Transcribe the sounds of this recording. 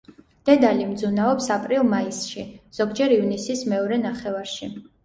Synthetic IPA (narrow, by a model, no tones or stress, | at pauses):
d̪̥ɛd̪alimd̪zunaɔpsapʼɾilˠmaisʃiz̥ɔɡd͡ʒɛɾivnisismɛɔɾɛnaχɛvaɾʃi